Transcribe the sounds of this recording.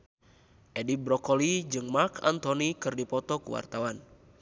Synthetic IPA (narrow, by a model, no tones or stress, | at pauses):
ʔɛdibɾɔkɔlid͡ʒɨŋmarkʰa̰nt̪ɔnikɨrdipɔt̪ɔkuwa̰rt̪awan